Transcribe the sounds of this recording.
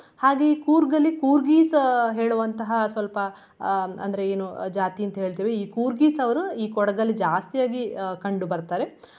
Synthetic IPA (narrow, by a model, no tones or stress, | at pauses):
haːɡe̞iːkuːɾɡɐlːikuːɾɡiːsɦe̞ːɭuʋɐnt̪ɐɦɐsʋɐlpɐ | ɐ̰nd̪ɐɾe̞eːnud͡ʒaːt̪iɐnt̪ɐɦe̞ːɭt̪iːʋeiːkuːɾɡiːsɐʋɐɾuiːkɔɽɐɡɐlːid͡ʒaːst̪ijaːɡikɐɳɖubɐɾt̪aːɾe̞